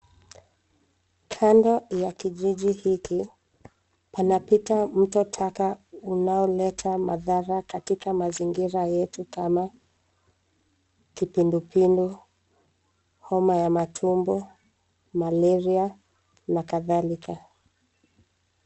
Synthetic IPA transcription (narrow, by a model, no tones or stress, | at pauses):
kʰandɔjakiʄiʄihiki | panapitam̩tɔtʰakaunaɔlɛtʰamaðaɾakatikamaziŋɡiɾajɛtukama | kipindupindu | hɔmajamatʰumbɔ | malɛɾia | nakaðalika